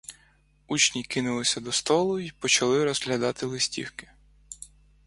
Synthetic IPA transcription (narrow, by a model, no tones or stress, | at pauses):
ut͡ʃnʲikɪnʊlˠɪsʲɐd̪ɔst̪ɔlˠʊipɔt͡ʃɐlˠɪɾɔzɦlʲɐd̪ɑt̪ɪlˠɪsʲtʲḭwkɪ̥